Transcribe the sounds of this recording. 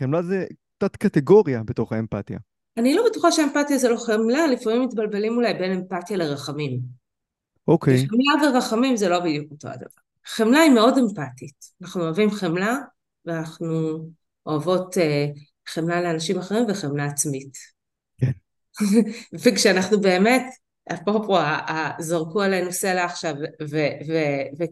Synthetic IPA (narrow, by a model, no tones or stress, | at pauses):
χemlazɛkt͡satkateɡo̞ʁijabeto̞χaempatja̰ | anilo̞betuχaʃeempatjazelo̞χemlalifamimːitbalbe̞limulajbe̞ne̞mpatjaleʁaχamim | ʔokejχemlaveʁaχamimzelo̞bidjukoto̰a̰da̰va̰ʁχemlaime̞o̞de̞mpatitanaχnuoavimχemla | veanaχnu | oavo̞te | χemlale̞anaʃimaχe̞ʁimveχemlaːt͡smit | vekʃeanaχnube̞ːme̞t | a̰pʁopoaʔazoʁkualenuse̞laːχʃavveveve